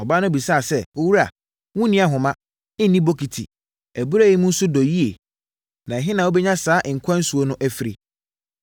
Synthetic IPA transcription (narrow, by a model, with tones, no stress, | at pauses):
ɔ˨baː˦nʊ̃˦˨bi˨sa˦˨sɛ˦˨o˦wu˦ɾa˨ | wũ˦nɪ̃˦a˨ɦʊ̃˨mã˦ | ɪ̃˦n˦nĩ˦bo˦kʰi˨tʰḭ˨ | æ˨bu˦ɾa˦˨ji˦mʊ̃˦n̩˦sʊ˦dɔ˨ji˦e˨ | nã˨ɛ˨ɦɪ̃˦nã˨o˦bɛ˦ɲã˦saː˨˦ʔɪ̃˨ŋ̩˨kʰʷã˦n̩˦su˨o˦nʊ̃˦ʔæ˦fi˨ɾi˨